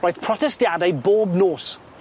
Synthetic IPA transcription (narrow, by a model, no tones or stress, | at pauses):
ɹɔjð̥pʰɹ̥ɔtɛstjadajboːbnoːs